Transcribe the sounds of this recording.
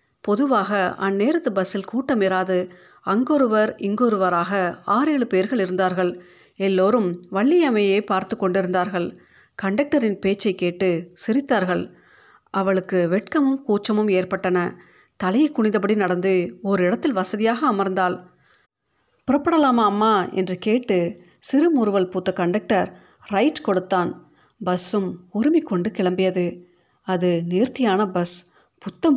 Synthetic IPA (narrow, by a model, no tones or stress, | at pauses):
pɔðɯʋaːɣɐɐnːeːɾɐt̪ːɯbɐsɪlkuːʈːɐmeɾaːðɯ | ɐŋɡɔɾɯʋɐɾɪŋɡoːɾɯʋɐɾaːɣɐaːɾeːɭɯpeːɾɣɐɭɪɾɯnd̪aːɾɣɐɭ | ɛlːoːɾɯmʋɐɭːɪjɐmɐjeːpaːɾt̪ɯkːɔɳɖɪɾɯnd̪aːɾɣɐɭ | kɐɳɖɐk̚ʈɐɾɪnpeːt͡ʃːɐɪkːeːʈːɯsɪɾɪt̪ːaːɾɣɐɭ | ʔɐʋɐɭɯkːɯʋɛʈ̚kɐmɯmkuːt͡ʃːɐmɯmeːrpɐʈːɐnɐ | t̪ɐlɐjɐɪkːʊɳɪðɐpɐɽinɐɽɐnd̪ɯɔɾɯɪɽɐt̪ːɪlʋɐsɐðɪjaːɣɐːmɐɾnd̪aːl | pɪɾɐpːɐɽɐlaːmɐːmːaːɛ̰ndrɯkeːʈːɯ | sɪɾɯmʊɾɯʋɐlpuːt̪ːɐkɐɳɖɐk̚ʈɐɾ | ɾɐɪʈkɔɽɯt̪ːaːn | bɐsɯmʊɾɪmɪkːɔɳɖɯkɪɭɐmbɪjɐðɯ | ɐðɯneːɾt̪ɪjaːnɐbɐs | pʊt̪ːɐm